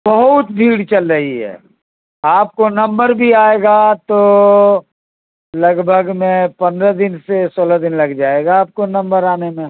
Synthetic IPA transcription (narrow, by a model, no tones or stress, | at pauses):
bɐɦʊt̪̚bʱiːɽt͡ʃɐlɾɐɦiɦɛ̰ː | aːp̚konɐ̃mbəɾbʱiaːeːɡat̪o | lɐɡbʱəɡmẽpɐ̃nd̪ɾad̪ɪnsesoːlad̪ɪnlɐɡd͡ʒaːeːɡaːp̚konɐ̃mbəɾaːnemẽ